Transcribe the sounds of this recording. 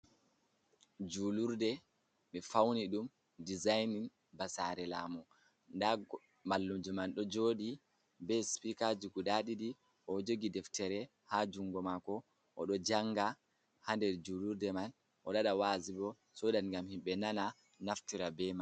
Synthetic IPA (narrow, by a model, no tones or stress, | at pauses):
d͡ʒuːluɾdɛ | ɓɛfawniɗum | dizajnin | basaɾɛlaːmɔ | ndaɡ | malːumd͡ʒumanɗɔd͡ʒoɗi | bɛspikad͡ʒiɡudaɗidi | ʔɔd͡ʒoɡidɛftɛɾɛ | had͡ʒuŋɡɔmakɔ | ʔɔɗɔd͡ʒaŋːɡa | handɛɾd͡ʒuluɾdɛman | ʔɔɗaɗawaːzibɔ | sɔdanŋɡamhimɓɛnana | naftiɾabɛman